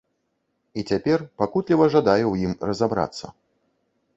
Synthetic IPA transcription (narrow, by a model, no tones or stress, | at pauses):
it͡sʲapʲɛrpakut̪lʲivɐʐad̪ajuwjimrɐzabɾa̰t̪sːɐ̰